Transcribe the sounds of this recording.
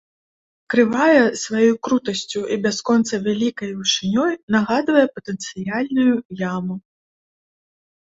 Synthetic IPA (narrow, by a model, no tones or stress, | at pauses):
kɾɨvajɛsvajɔjkɾut̪ɐsʲt͡sʲuʔibʲaskɔnt̪sɐvʲalʲikɐjwʂɨnʲɔjnaɣad̪vɐjɛpɐt̪ɛnt̪sɨjalʲnujujamu